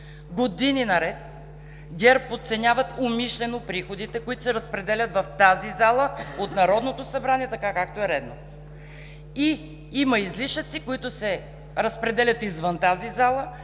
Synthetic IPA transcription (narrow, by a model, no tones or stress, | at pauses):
ɡod̪ininɐɾɛt̪ | ɡʲɛɾpot̪sɛnʲavət̪omiʃlʲɛnopɾixod̪it̪ɛkoit̪ʊ̥sɛɾəspɾɛd̪ɛlʲɐt̪vɐft̪azizalˠəot̪nɐɾɔd̪not̪osɐbɾaniɛt̪ɐkakak̚t̪oɛɾɛd̪not̪ | i | imɐizliʃət̪sikoit̪ʊsɛ | ɾəspɾɛd̪ɛlʲɐt̪izvənt̪azizalˠə